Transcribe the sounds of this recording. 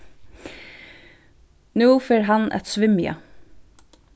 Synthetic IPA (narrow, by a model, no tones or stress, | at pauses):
nuːfeːɹɦɑnɛ̰t̪sʋɪmjɑ̰